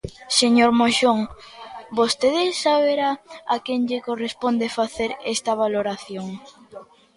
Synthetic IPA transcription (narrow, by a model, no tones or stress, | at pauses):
seɲoɾmoʃoŋ | bost̪eðesaβeɾaakeŋʎekorespond̪efaθeɾest̪ɐβaloɾaθjoŋ